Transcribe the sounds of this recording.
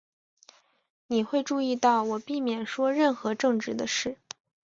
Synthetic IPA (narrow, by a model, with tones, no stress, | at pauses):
ni˨˩xwe˥˧ɪʈ͡ʂu˥˧i˥˧t̪ɑ˥˩ʊwɔ˨˩pi˥˩mjɛ˨˩nʂwɔ˥ɻə˥˩nxɤ˧˥ʈ͡ʂɤ˥˧ŋʈ͡ʂɻ̩˥˩d̪ə˧ʂɻ̩˥˩